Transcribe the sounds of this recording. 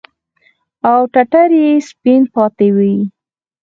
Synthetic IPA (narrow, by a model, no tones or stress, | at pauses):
awʈaʈaɾjespinpɑt̪ewi